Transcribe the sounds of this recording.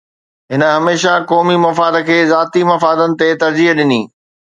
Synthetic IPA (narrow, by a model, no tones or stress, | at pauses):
ɦɪnə̆ɦɐmeːʃakɔːmimɐfaːd̪əkʰeːzaːt̪imɐfaːd̪ənɪ̆t̪et̪ɐɾd͡ʑiɦɗɪniː